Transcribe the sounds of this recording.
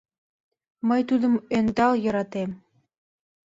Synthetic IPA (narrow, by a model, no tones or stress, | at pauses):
mɤjt̪ud̪ɤ̆mønd̪ɑljɤ̆ɾɑt̪em